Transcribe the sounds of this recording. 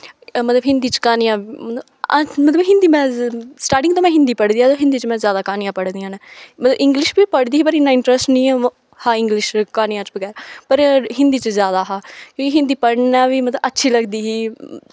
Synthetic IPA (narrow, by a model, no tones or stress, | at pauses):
mət̪ləbɦɪ̃nd̪iːt͡ʃkaːnɪjãːmt̪ | mət̪ləbɦɪ̃nd̪iːmɛ̃ːsʈaːɾʈɪ̃ŋɡt̪õːmɛ̃ːɦɪ̃nd̪iːpəɽd̪iːaːt̪oːɦɪ̃nd̪iːt͡ʃmɛ̃ːzjaːd̪aːkaːnɪjãːpəɽd̪iːãːnɛːmət̪ləbɪ̃ŋɡlɪʃbiːpəɽd̪iːɦiːpəɾɦɪnːaːɪɳʈɾəsʈnĩː | hãːɪŋɡlɪʃkaːnɪjãːt͡ʃbəɡɛːɾpəɾɦɪ̃nd̪iːt͡ʃəzjaːd̪aːɦaːkjõːkiɦɪ̃nd̪iːpəɽnaːʋiːmət̪ləbətːʃʰiːləɡd̪iːɦiː